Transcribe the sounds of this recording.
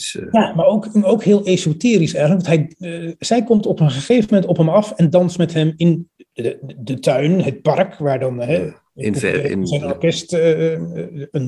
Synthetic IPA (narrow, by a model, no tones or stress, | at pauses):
jamaɹowkowkɦɪːəlˠezotɪːɾisɛjrənləkʋɔntɦɛjz̥ɛjkɔmtɔpənχəχejvəəmɛntɔpɦɛmɑfɛndɑnstmɛtɦɛmɪn | dətœɥnɦət̚pɑrkʋaːɹdɑnɦɛ | zɛjnɔɹkɛst | ən